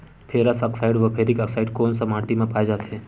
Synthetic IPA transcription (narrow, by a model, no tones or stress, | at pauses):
pʰeɾəsəksaɪɖʋəpʰeɾikəksaɪiɖkoːnsəmãːʈimẽpaːjd͡ʒaːt̪ʰe